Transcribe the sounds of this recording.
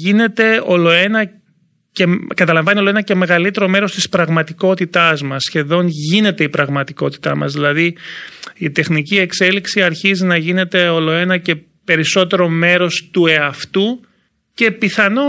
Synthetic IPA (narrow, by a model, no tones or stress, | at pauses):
ine̞t̪e̞o̞lo̞e̞nɐ | ce̞kɐt̪ɐlɐ̃ɱvɐnio̞loenɐce̞me̞ɣɐlit̪e̞ɾo̞me̞ɾo̞st̪ispɾɐɣmɐt̪iko̞t̪it̪ɐzmɐsçe̞ðo̞nʝine̞t̪e̞ipɾɐɣmɐt̪iko̞t̪i̥t̪ɐ̰mɐ̰zðilɐði | it̪e̞xnicie̞kse̞liksiɐɾçizinɐʝine̞t̪e̞o̞lo̞e̞nɐce̞ | pe̞ɾiso̞t̪e̞ɾo̞me̞ɾo̞st̪ue̞ɐft̪u | ce̞piθɐno